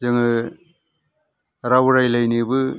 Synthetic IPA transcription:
zɯŋɯ | ɾawɾajlajnibɯ

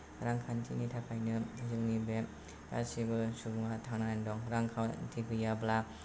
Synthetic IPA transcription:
ɾaŋkʰantʰinitʰapʰajnɯzɯŋnibem | pa̰sibɯsubuŋatʰaŋnajndɔŋɾaŋkʰawtʰikɯjabla

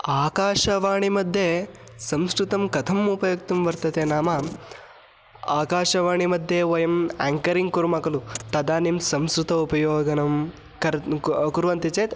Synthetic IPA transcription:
aːkaːʃɐʋaːɳimɐd̪ʱːjesɐ̃mskɾut̪ɐmkɐt̪ʰɐmupɐjɐk̚t̪umʋɐɾt̪ɐt̪eːnaːmaː | aːkaːʃɐʋaːɳimɐd̪ʱːjeːʋɐjɐmaːŋkɐɾiŋɡkuɾmɐkɐlut̪ɐd̪aːnimsɐmskɾut̪ɐupɐjoːɡɐnɐm | kɐɾkuɾʋɐnt̪it͡ʃeːt̪

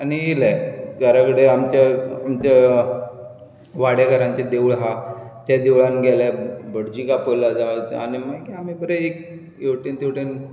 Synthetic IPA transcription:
añielaɡʱaɾakəɽeamt͡ɕaamt͡ɕa | ʋaɽjaɡəɾãɲt͡ɕed̪eʋɭɦat̪jad̪eʋɭanɡʱɛlabəɽd͡ʑikapəlad͡zaʋət̪a̰ñimajkiam̤ibəɾeek | jewʈint̪ewʈen

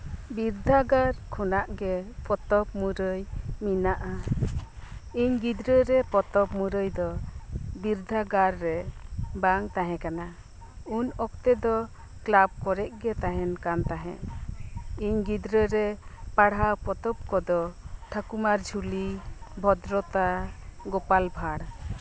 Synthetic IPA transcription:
biɾd̪ʱaɡaɾkʰɔnaʔɡɛpɔt̪ɔp̚muɾəjminaʔa | iɲɡid̪ɾəɾɛpɔt̪ɔpmuɾəjd̪ɔbiɾd̪ʱaɡaɾːɛbaŋt̪aɦɛ̃kana | unɔkt̪ɛd̪ɔ | klab̚kɔɾɛʔ̚ɡɛt̪aɦɛnkant̪aɦɛ̰̃ʔ | iɲɡid̪ɾəɾɛpaɽawpɔt̪ɔp̚kɔd̪ɔʈʰakumaɾd͡ʒʱulibʱɔd̪ɾɔt̪aɡɔpalbʱaɽ

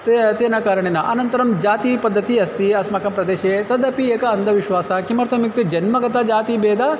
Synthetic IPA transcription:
t̪t̪eːnɐkaːɾɐɳeːnɐʔɐnɐnt̪ɐɾɐmd͡ʒaːt̪ipɐd̪ʱːɐt̪iɐst̪iɐsmɐkɐmpɾɐd̪eːʃet̪ɐd̪ɐpieːkɐɐnd̪ʱɐʋiʃʋaːsɐkimɐɾt̪omik̚t̪ed͡ʒɐnmɐɡɐt̪ɐd͡ʒaːt̪ibeːd̪ʱa

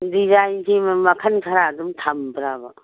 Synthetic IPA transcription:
dizajnsimmɐkʰɐnkʰɐɾadumtʰambɾaba

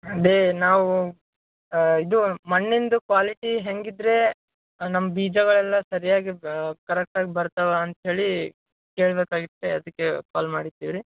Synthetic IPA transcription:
ɐd̪enaːʋu | id̪umɐnːind̪ukʋaːliʈiɦeŋɡid̪ɾe̞ | nɐmːɐbiːd͡ʒɐɡɐɭɛlːɐsɐɾijaːɡikɐɾɛk̚ʈaːɡibɐɾt̪ɐʋeɐnt̪ɦe̞ːɭi | ke̞ːɭbeːkaːɡit̪ːeɐd̪ɐkːepa̰ːlmaːɽit̪ːiʋiɾi

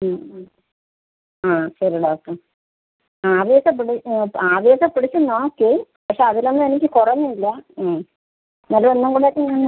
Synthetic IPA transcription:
aːɕɐɾiɖoːk̚ʈɐr | aːʋjeːsɐp̬ːiɽiaːʋjeːsɐpːiɽit͡ɕːunːoːkːeː | pɐkʂe̞ɐðilo̞nːɨenik̬ʲːɨkorɐɲːuilːɐː | nɐlːɐonːuŋɡuːɽaːkːeɲannː

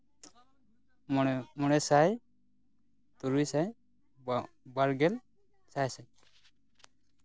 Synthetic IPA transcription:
mɔnɛsaj | t̪uɾujsaj | baɾɡɛl | sajsaɲ

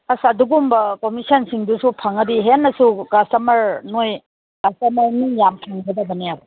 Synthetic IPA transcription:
asɐduɡumbɐkomisɐnsiŋdusupʰaŋɐdiɦenːɐsukastɐmɐɾnoj | kastɐmɐɾnijamkʰaŋɡɐdɐbɐnijabɐ

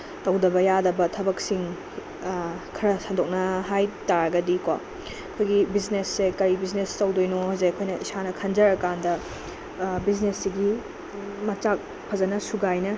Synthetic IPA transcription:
tɐwdɐbɐjadɐbɐtʰɐbɐk̚siŋ | kʰɐɾɐsɐndok̚nɐɦajtaɾɐɡɐdikwa̰ | ɐkʰojɡibiznesːekɐɾibiznestɐwdojnohɐzeɐkʰojnɐʔisanɐkʰɐnd͡ʒɐɾɐkandɐ | biznesːiɡi | mɐt͡ʃak̚ | pʰɐzɐnɐsuɡajnɐ

